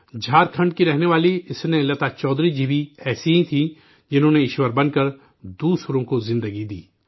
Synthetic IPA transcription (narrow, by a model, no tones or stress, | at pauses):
d͡ʒʱaːɾkʰɐ̃ɳɖ̚kiɾɛɦneʋaːliɪsnelɐt̪at͡ʃɔːd̪ɾid͡ʒibiɛːsiɦĩt̪ʰi | d͡ʒɪnɦõːneɪʃwəɾbɐ̃nkəɾ | d̪uːswɾõkozɪ̃nd̪əɡid̪ḭː